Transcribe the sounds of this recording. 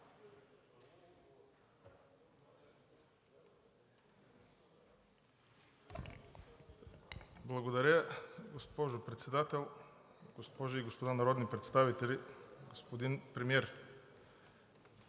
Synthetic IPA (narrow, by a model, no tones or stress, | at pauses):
blˠɐɡod̪aɾʲəɡospɔʒopɾɛt̪sɛd̪at̪ɛlˠɡospɔʒoiɡospod̪anaɾɔd̪nipɾɛt̪st̪avit̪ɛlʲiɡospod̪inpɾɛmiɛɾ